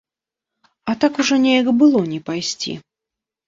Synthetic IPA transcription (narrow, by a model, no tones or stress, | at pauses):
ɐt̪akuʐɔnʲejɣɐbɨlˠɔnʲɛpajsʲt͡sʲḭ